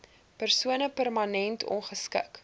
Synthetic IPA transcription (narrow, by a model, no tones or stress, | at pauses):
pərsuənəpərmɐnɛntʰɔ̰nχəskə̰k